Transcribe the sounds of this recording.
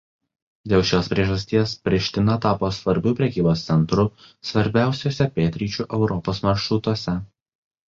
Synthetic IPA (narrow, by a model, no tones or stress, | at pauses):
d̪ʲeːlˠʃʲoːspʲɾʲiɛʒɐsʲt̪ʲiɛspʲɾʲɪʃʲt̪ʲɪnɐt̪ɑːpoːsʋɐɾʲbʲuːpʲɾʲɛkʲiːboːst̪sʲɛnt̪ɾʊ | sʋɐɾʲbʲæˑʊsʲoːsʲɛpʲeːt̪ʲɾʲiːt͡ʃʲuːˑʔɛʊɾɔpoːsmɐɾʃɾʊt̪uɔsʲɛ